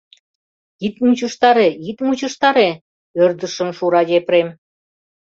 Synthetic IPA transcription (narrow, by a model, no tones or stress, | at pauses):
it̪mut͡ɕəʃt̪ɑɾeit̪mut͡ɕɤ̆ʃt̪ɑɾe | ørd̪ə̆ʃə̆mʃuɾɑjʲepɾem